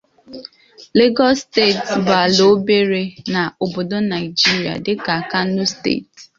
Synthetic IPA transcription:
le˦ɡɔ˦ste˦˨tsba˨lo˦be˦ɾe˦na˨o˨bo˨do˦na˨ɪ˨d͡ʒi˦ɾi˨a̰˨dɪ˦ka˨a˨ka˦u˦stḛ˦˨t

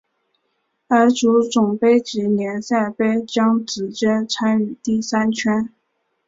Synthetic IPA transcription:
ə˞˧˥ʈ͡ʂu˧˥t͡sʊ˨˩ŋpe˥ɪʈ͡ʂɻ̩˧˨˥njɛ˧˥nsa˥˩ɪpe˥ɪt͡ɕjɑ˥ŋt͡sɹ̩˨˩t͡ɕɛ˥nt͡sʰa˥ny˨˩t̪i˥˩sa˥nt͡ɕʰɥɛ˥n

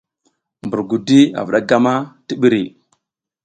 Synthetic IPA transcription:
mbu˨ɾɡu˨di˦a̰˨vu˨ɗa˦ɡa˦ma˦ti˦ɓi˦ɾi˨

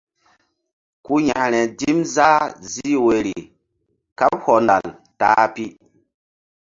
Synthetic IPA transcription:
ku˦ɲa˨ʔɾɛ˨di˦mza˦zi˦we˨ɾi˨ | ka˦p̚hɔ˨na̰˨l | ta̰ː˨˦pi˦

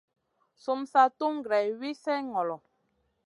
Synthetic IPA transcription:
so˦msa˦tu˦ŋ˨ɡɾɛ˨wi˦sɛ˦ŋɔ˨lɔ˨

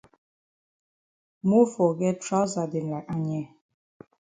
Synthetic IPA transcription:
mu˦fɔ˨ɡɛ˦tɾa˦za˨de˨n̩˨la˨ʔa˦ɲɛ˦˨

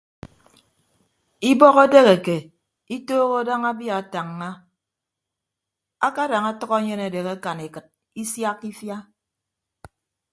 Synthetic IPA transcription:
i˦bɔ˦ɣo˦de˦ɣe˨ke˨ | i˦toː˦ɣo˦da˦ŋa˦bja˨a˨ta˨ŋːa˦ | a˦ka˦da˨ŋa˦tʌ˦ɣɔ˦ɲe˦ne˨de˨ka˦ka˨ne˨kɨ˨t̚ | i˦sja˦kːi˦fja˦

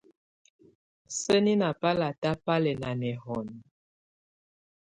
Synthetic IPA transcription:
sə˦ni˦na˨pa˦la˨ta˦pa˦lɛ˨na˨nɛ˨hɔ˨n˨

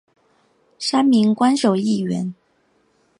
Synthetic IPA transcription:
ʂa˥nmi˧˥ŋkwa˥nʂo˨˩ʊi˥˩ɥɛ˧˥n

